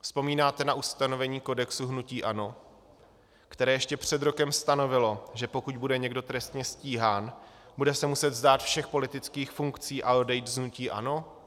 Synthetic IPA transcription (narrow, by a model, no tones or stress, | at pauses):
fspo̞miːnaːt̪ɛnaʔust̪ano̞vɛɲiːko̞dɛksuɦnuciːʔa̰no̞ | kt̪ɛɾɛːjɛʃcɛpr̝̥ɛd̪ɾo̞kɛmst̪ano̞vɪlo̞ʒɛpo̞kuɟbudɛɲɛɡdo̞t̪ɾɛst̪ɲɛsciːɦaːnbudɛsɛmusɛt̪zdaːt̪fʃɛxpo̞lɪt̪ɪt͡skiːxfuŋkt͡siːʔaodɛjt̪znuciːʔa̰no̞